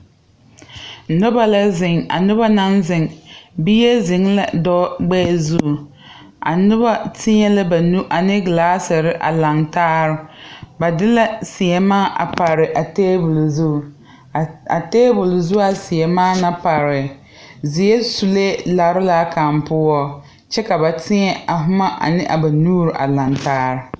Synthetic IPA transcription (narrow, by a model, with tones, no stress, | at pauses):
nʊ˦ba˨la˦zɪ˨ŋa̰˨nʊ˦ba˦na˦nzɪ˨ŋbi˦ɛ˦zɪ˨ŋla̰˦dɔ˦ɡ͡bɛː˦˨zu˦˨ | a̰˨nʊ˦ba˦tɪ˦ɲɛ˦la˦ba˨nu˦ʔa˨nɪ˦ɡlaː˦sɪ˨ɾɪ˦ʔa̰˨la˨ŋtaː˦ɾɪ˨ba˨dɪ˦la˦sɪ˨ɛ˨maː˦ʔa̰˨pa˨ɾɪ˨ʔa˨teː˦bʊ˨lzu˦˨ | a˨teː˦bʊ˨lzʊ˦a˨sɪ˨ɛ˨maː˦na˦pa˨ɾɪ˨ | zɪ˨jɛ˦su˨le˦la˨ɾɪ˦la˦ka˨mpʊ˦ɔ˦ | t͡ʃɛ˦ka˨ba˨tɪ˦ɲɛ˦a˨ɦʊ˦ma˦ʔa̰˨nɪ˦ʔa̰˨ba˨nuː˦ɾɪ˨ʔa̰˨la˨ŋtaː˦ɾɪ˨